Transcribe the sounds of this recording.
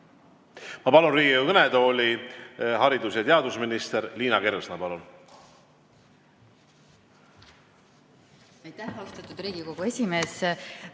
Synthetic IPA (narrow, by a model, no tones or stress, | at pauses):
mɑpɑlunriːɡioukɤned̪o̞ːlʲiɦɑɾid̪usjɑt̪eɑd̪usminist̪eɾliːnɑke̞ɾsnɑpɑlun | ɑjt̪æhɑst̪ɑt̪ːˑud̪̥riːɡiko̞ɡ̥ue̞sʲime̞ːs